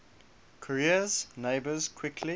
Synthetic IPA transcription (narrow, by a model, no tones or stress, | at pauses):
kʰəɹiəz̥neɪbəz̥kʰw̥ɪkʰli